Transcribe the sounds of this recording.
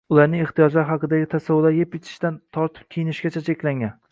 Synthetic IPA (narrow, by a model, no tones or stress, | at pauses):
ʊlˠaɾnɪŋeχt̪ijɒd͡ʒlaɾɦɑqɨd̪aɡʲɪt̪ʰasavːʊlaɾjepɪt̪ʰɪ̥ʃt̪ant̪ʰɒɾt̪ʰɪ̥p̚kʲʰejɪnɪʃɡʲat͡ʃʰat͡ʃʰekʲlaŋɡʲan